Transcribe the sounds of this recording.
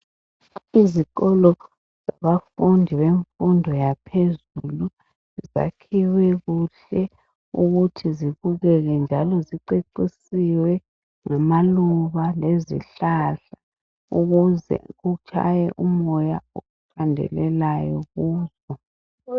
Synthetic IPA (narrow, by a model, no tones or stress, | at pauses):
izikɔlɔ | z̥aβafundʱiβeɱfundʱɔjapʰezulu | ziza̰kʰiwɛɣuɬɛ | uɣutʰiziβuɣɛɣɛnd͡ʒʱalɔziǃeǃisiwɛ | ŋamaluβalezḭɬaɬḁ | uɣuzɛ̰ɣut͡ʃʰa̰jɛʔumɔjauɣufʰandʱɛ̰lɛlajɔɣuːzɔ